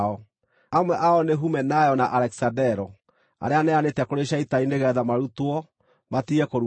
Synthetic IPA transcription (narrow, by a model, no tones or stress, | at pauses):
ɔ | amwɛʔaɔneɦumɛnajɔnaʔaɾɛki̥sadɛɾɔ | a̰ɾeanɛanetɛkoɾeɕaitaineɣɛðamaɾutwɔ | matiɛkoɾu